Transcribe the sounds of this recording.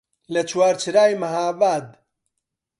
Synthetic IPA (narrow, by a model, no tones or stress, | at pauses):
lɐt͡ʃʰwaːɾt͡ʃʰɨɾaːjmɐɦaːbaːd̪̚